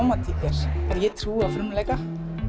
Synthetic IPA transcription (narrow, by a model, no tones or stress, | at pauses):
wmat̪ʰikɛɾ̥ɛɾjɛt̪ʰɾuːafɾʏmlɛjka